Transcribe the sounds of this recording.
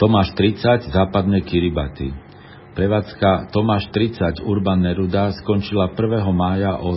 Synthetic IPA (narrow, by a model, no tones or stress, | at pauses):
t̪ɔmaːʃt̪ɾit͡saɟzaːpad̪nɛjkiɾibat̪ḭ | pɾɛʋaːt͡skat̪ɔmaːʃt̪ɾit͡saɟuɾbanːɛɾud̪askɔnt͡ʃilapr̩ʋɛːɦɔmaːjaʔɔ